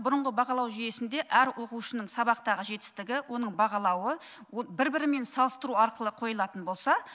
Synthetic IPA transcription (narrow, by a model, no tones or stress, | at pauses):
bʊɾəɴʁəbɑʁɑlˠɑwʒije̞sɪnd̪e̞ʔæɾwo̞quwʃənəɴsɑβɑqt̪ɑʁəʒe̞t̪ɪ̥st̪ɪɡʲɪwʔo̞nəɴbɑʁɑlˠɑwə | bɪɾbɪɾɪme̞nsɑlˠəst̪əɾuɑɾqəlˠəqʰo̞jlˠɑt̪ənbo̞lˠsɑ